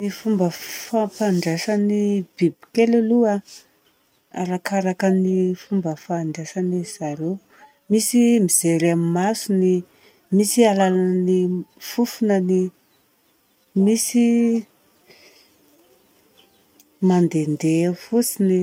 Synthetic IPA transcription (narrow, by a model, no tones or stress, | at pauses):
nifumbəfapaɳɖ͡ʐesanib̥ibi̥kelelua | a̰ɾakaɾakənifumbəfaːɳɖ͡ʐesaniz̥aɾew | misimiz̥eɾammasuni | misialalannifufunəni | misi | mand̪end̪efut͡sini